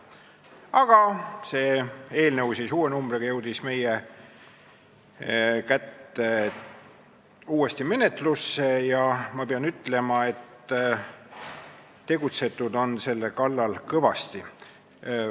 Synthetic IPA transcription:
ɑɡ̥ɑse̞ːe̞ːlnəwsisuːenumb̥reɡɑjɤwd̪̥isme̞je | kæt̪ːe | uːe̞st̪ime̞ne̞t̪ˑlusːejɑmɑpeɑnyt̪ːˑle̞mɑe̞t̪ | e̞ɡut̪se̞t̪ːˑud̪o̞nse̞lːekɑlːɑlkɤvɑ̰st̪i

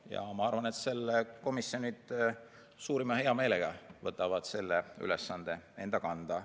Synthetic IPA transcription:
jɑ̰mɑɑrvɑne̞t̪se̞lːeko̞misio̞nid̪̥ | suːɾimɑhe̞ɑme̞ːleɡ̥ɑvɤt̪ːˑɑvɑd̪̥se̞lːey̰lesːɑnd̪̥e̞e̞̰nd̪̥ɑkɑnd̪̥ɑ

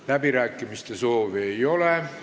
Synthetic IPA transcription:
læbiɾæːkːˑimist̪eso̞ːʋiejo̞le

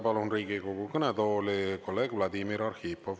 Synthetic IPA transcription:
pɑlunriːɡiko̞ɡukɤnɛd̪o̞ːliko̞lːe̞ːɡ̥vlɑd̪imiɾɑrhiːpːov

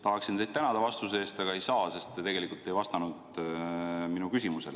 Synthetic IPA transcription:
t̪ɑɦɑksint̪e̞jd̪t̪ænɑd̪̥ɑvɑst̪useeːst̪ɑɡ̥ɑe̞jsɑːse̞st̪ːt̪e̞ɡe̞likːˑult̪ːˑe̞jvɑst̪ɑnud̪̥ | minukysimuse̞̰l

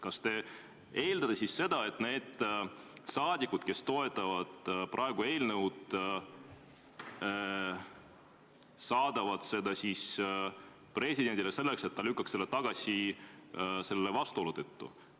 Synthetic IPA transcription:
kɑst̪e̞ | e̞ːld̪ɑt̪esisse̞d̪̥ɑe̞t̪ːˑne̞ːd̪̥ | sɑːd̪ʲikud̪̥ke̞st̪o̞e̞t̪ːˑɑvɑd̪̥prʔɑeɡ̥ue̞ːlnəwd̪̥ | sɑːd̪̥ɑvɑd̪̥se̞d̪ɑsis | pre̞sʲid̪e̞nʲd̪ʲilese̞lːekse̞t̪ːɑlykːɑkse̞lːt̪ɑɡ̥ɑsʲi | se̞lːe̞vɑst̪uo̞lut̪et̪ːṵ

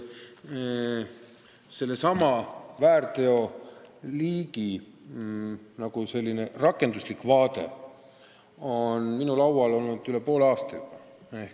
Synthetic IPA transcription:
se̞lːe̞sɑmɑvæːrt̪e̞o̞liːɡi | nɑɡ̥use̞lʲːine̞rɑkːe̞nd̪uslikːˑvɑːd̪e̞̰ | o̞nminulɑwwɑlo̞lnud̪̥yle̞po̞ːlɑːst̪ɑ̰ | ehk

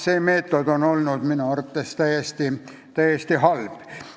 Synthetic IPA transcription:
seːmeːt̪ːˑod̪̥onolnud̪̥minuɑrt̪ːˑest̪æjest̪i | t̪æjest̪ihɑlb̥

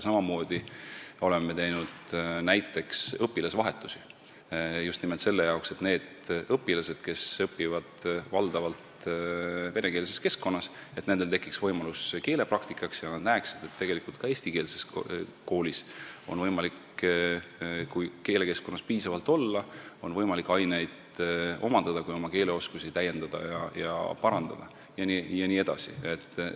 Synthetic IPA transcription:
sɑmɑmo̞ːd̪̥io̞le̞meme̞t̪e̞jnud̪næjt̪ːˑe̞ksɤpːilɑsvɑɦe̞t̪ːˑusi | just̪nimelt̪se̞lːe̞jɑokse̞t̪ne̞ːd̪̥ɤpːilɑse̞d̪̥ke̞sɤpːivɑd̪̥vɑld̪̥ɑvɑlt̪ | ve̞ne̞ke̞ːlse̞ske̞skːo̞nːɑset̪ne̞nd̪e̞lt̪e̞kːˑiksvɤjmɑluske̞ːle̞prɑkt̪ikːˑɑksjɑnɑd̪næeksid̪̥e̞t̪ːe̞ɡ̥e̞likˑult̪kɑe̞ːsʲt̪ike̞ːlse̞sko̞ːliso̞nvɤjmɑlik | kujke̞ːle̞ke̞sko̞nːɑspiːsɑvɑlt̪o̞lːɑo̞nvɤjmɑlikːˑɑjne̞jd̪̥ | o̞̰mɑnd̪̥ɑd̪̥ɑkujo̞mɑke̞ːle̞o̞skusit̪æjːe̞nd̪̥ɑd̪̥ɑ̰jɑ̰jɑ̰pɑɾɑnd̪̥ɑ̰d̪̥ɑ̰ | jɑnijɑniːe̞d̪̥ɑ̰sḭe̞t̪ː

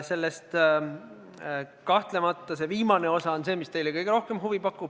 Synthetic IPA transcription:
se̞lːest̪ | kɑht̪le̞mɑt̪ːˑɑse̞viːmɑne̞o̞sɑonse̞ːmist̪e̞jlekɤjɡ̥eɾo̞hke̞mɦuvipɑkːˑub̥

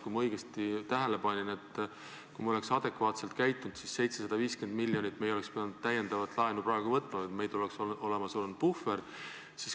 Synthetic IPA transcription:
kujmɑɤjɡ̥est̪it̪æɦæle̞pɑnʲine̞t̪ːˑ | kujmɑo̞le̞ksɑd̪̥e̞kvɑːt̪se̞lt̪kæjt̪ːˑund̪sisse̞jt̪se̞sɑd̪ɑviːske̞nd̪milːjo̞nʲit̪ːme̞jolekspiɑnut̪t̪ːæjend̪ɑvɑt̪ːˑlɑenuprɑeɡ̥uvɤt̪ːˑmɑet̪me̞jt̪uleksoo̞lemɑsulund̪̚b̥ufe̞r | si̥s

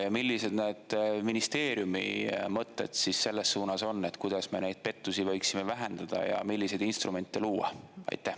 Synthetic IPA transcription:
jɑmilːise̞d̪̥ned̪̥minist̪e̞ːɾjumḭmɤt̪ːˑe̞d̪̥sisːe̞lːe̞suːnɑso̞nːe̞t̪ːkujd̪̥ɑsme̞̰nejd̪̥̚pe̞t̪ːˑusivɑjksime̞væɦend̪̥ɑd̪̥ɑ̰jɑ̰milːise̞d̪inst̪rume̞nt̪ːˑeluːɑ̰ɑ̰jt̪ːˑæh

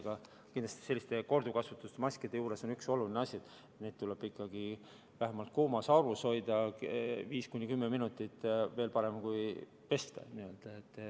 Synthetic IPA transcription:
ɡ̥ɑ | kind̪lɑst̪i̥se̞lːist̪e̞ko̞rd̪̥ukɑsvut̪ːˑust̪emɑsʲked̪̥e̞juːɾe̞so̞nykso̞lulineɑsʲid̪ | neːd̪̚t̪uleb̥ikːˑɑɡi | væɦemɑlt̪̚kuːmɑsɑuɾuso̞jd̪̥ɑviːskunʲːikymːeminut̪ːˑit̪ːˑve̞ːlpɑɾe̞mkuj | pe̞st̪ḛniø̞ld̪̥ɑet̪ːˑ

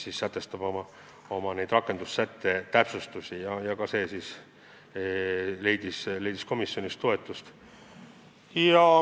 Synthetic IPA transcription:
siːsːæt̪ːˑe̞st̪ɑb̥omɑ | o̞mɑne̞jd̪̥rɑkːˑe̞nd̪usːæt̪ˑːe̞t̪æpsust̪usijɑjɑkɑse̞ːsiːs | le̞jd̪̥isle̞jd̪̥i̥sko̞misːjo̞nist̪o̞e̞t̪ːˑust̪ | jɑ

